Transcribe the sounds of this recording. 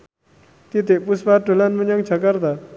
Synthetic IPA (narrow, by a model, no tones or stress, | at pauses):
t̪it̪eʔpuspaʈolanməɲaŋt͡ʃʰakaɾt̪a